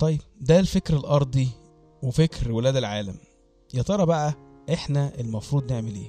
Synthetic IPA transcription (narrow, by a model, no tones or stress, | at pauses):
t̪ˤɑjːeb̚d̪ælfekɾelʔɑɾˤd̪ˤi | wefekɾwelæːd̪elʕaːlæm | jɑt̪ˤɑɾˤɑbæʔæ | ʔeħnæʔelmɑfɾuːd̪neʕmelḛː